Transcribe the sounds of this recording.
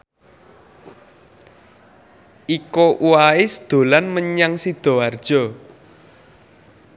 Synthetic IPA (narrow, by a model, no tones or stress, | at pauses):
ʔikoʔuwaisəd̪̥o̤lanməɲaŋsid̪̥ɔ̤ard̥ʒ̥ɔ̤